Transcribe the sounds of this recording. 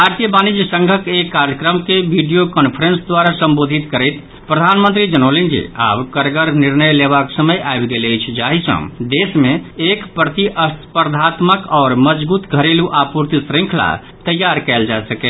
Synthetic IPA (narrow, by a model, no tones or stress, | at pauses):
aɾt̪jəbanid͡ʒsə̃ŋɡʱəkekːaɾjəkɾəmkebʱiɖijokənpʰəɾənsd̪waɾasəmbod̪ʱit̪kəɾəjt̪ | pɾəd̪ʱanmə̃nt̪ɾid͡ʒənolind͡ʒḭa̰bkəɾɡəɾniɾnəjlebaksəməjʔaebɡeləjt͡ʃʰd͡ʒaɦisə̰̃d̪esmẽekpɾət̪iʔəspəɾd̪ʱat̪məkɔːɾməd͡ʒbut̪ɡʱəɾeluʔapuɾt̪isɾĩŋkʰla̰ | t̪əjaɾkɛld͡ʒasəkɛ